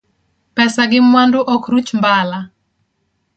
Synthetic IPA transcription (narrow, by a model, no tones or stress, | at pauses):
pɛsaɡɪmwandʊʔɔkɾut͡ʃmbala